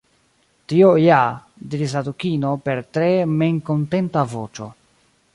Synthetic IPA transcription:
tio̞ja | diɾis̬adukino̞pe̞ɾtɾe̞me̞ŋko̞nte̞ntavo̞t͡ʃo̞̰

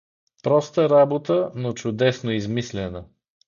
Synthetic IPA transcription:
pɾɔst̪əɾabot̪ənot͡ʃʊd̪ɛsnoizmislʲɛnə

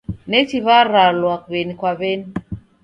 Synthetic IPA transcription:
net͡ʃiβaɾalwak̚βenikwaβeni

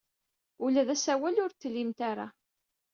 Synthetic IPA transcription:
ulæðæsæwælʊɾt̪ːlːimt̪aɾa̰

